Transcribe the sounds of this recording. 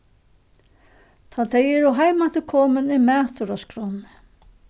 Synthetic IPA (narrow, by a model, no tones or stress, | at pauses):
t̪ʰat̪ʰɛjɛɾɔɦajmat̪ɪkʰɔːmənɪmæːt̪ʊɾaskɾɔnɪ